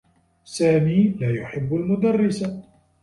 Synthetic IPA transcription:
saːmiːlaːjʊħɪbːalmʊd̪arːɪsa

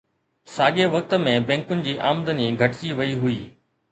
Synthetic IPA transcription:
saːɠeʋɐk̚t̪ə̆mẽbɛ̃ːŋkʊnɪ̆d͡ʑiːʔaːmd̪əniɡʱɐʈt͡ɕiʋɐiɦʊiː

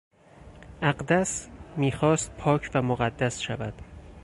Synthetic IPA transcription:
ʔæɢd̪æsmiːxɒːst̪̚pʰɒːcʰvæmoɣæd̪ːæsʃævæd̪̥

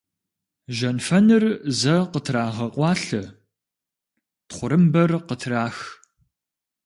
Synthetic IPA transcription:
ʒɐnfɐnɨrzɐqətʰraːʁɐqʼʷɑːɬɐ | tχʷʊɾɨmbɐrqətʰraːx

